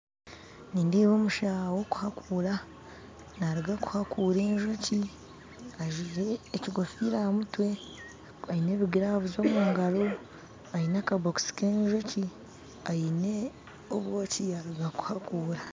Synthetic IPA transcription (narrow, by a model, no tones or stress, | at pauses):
niːndiːwoːmuʃawo̞ku̥hakʰuːɾa | naɾiɡaku̥hakuːɾe̞ːɲʒoci | aʒiɾeːciɡofiːɾamutwe̞ | aine̞ːβiɡiɾaːvuzo̞ːmuːŋɡalo̞ | ainakaβoksi̥keːɲʒoci | ajine̞ | oβwo̞ːciaɾiɡaku̥hakuːɾa